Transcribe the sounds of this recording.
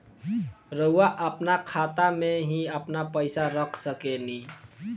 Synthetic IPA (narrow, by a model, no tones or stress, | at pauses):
ɾəɦuwaʔəpnakʰat̪ameɦĩəpnapəɪsaɾəkʰsəkeni